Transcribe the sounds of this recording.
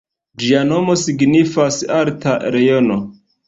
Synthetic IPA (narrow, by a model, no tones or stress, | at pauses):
d͡ʒiano̞mo̞siɡnifasaɾtaɾe̞jo̞no